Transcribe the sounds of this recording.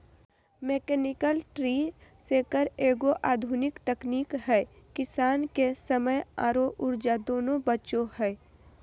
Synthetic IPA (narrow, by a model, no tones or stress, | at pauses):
meːkɛːnɪkəlʈɾiːsekəɾeːɡoʔaːd̪ʱʊnɪkt̪əkniːkɦɛː | kɪsaːnkesəməjaːɾoʔʊɾd͡ʒad̪oːnobətːʃõhɛː